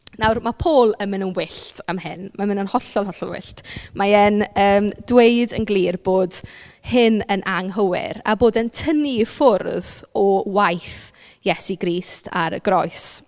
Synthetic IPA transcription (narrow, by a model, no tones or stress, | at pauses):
nawrmapʰoːlˠəmɪnənwɪɬtʰamɦɪ̰nmamɪnənhɔɬɔlˠɦɔɬɔ̰lˠwɪ̰ɬtmajɛnəːmdweɨdənɡlˠiːrb̥oːdhɪnənʔaŋɦəwɪ̰ɾa̰boːdəntʰənifʊrðɔwajθ | jɛsiɡɾiːstʰa̰ɾɡ̥rɔjs